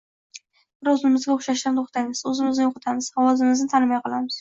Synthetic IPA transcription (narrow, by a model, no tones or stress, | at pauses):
ɾozɪmɪzɡʲaʊχʃaʃt̪ant̪ʰoχt̪ʰajmɪz̥ʊzɪmɪzɡɪʊqɨt̪ʰamɪz̥hɒwɒzɪmɪznɪt̪ʰanɪmɑjqʰɨlˠamɪz̥